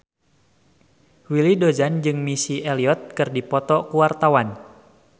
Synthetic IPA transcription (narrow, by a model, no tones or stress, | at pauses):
wilidod͡ʒand͡ʒɨŋmisiʔɛliɔt̪̚kɨrdipɔt̪ɔkuwart̪awan